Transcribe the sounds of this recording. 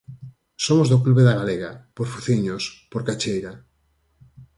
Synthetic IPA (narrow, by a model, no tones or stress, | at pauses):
somozðokluβeðaɣ̞aleɣa̰poɾfuθiɲospoɾkat͡ʃejɾa